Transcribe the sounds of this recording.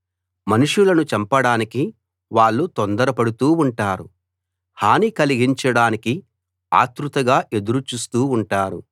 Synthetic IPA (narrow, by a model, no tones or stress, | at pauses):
mɐnuʂulɐnut͡ʃɐmpɐɽaːniki | ʋaːɭːut̪ond̪ɐɾɐpɐɽut̪uːuɳʈaːɾu | haːnikɐliɡiɲt͡ʃɐɽaːniki | a̰ːt̪ɾut̪ɐɡaːʔe̞d̪uɾut͡ʃuːst̪uːɳʈaːɾṵ